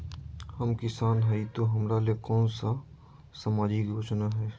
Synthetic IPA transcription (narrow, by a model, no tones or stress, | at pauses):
hɐmkɪsaːnɦɛit̪oɦɐmɾalekɔːnsa | sɐmaːd͡ʒikjoːt͡ʃnaɦɛː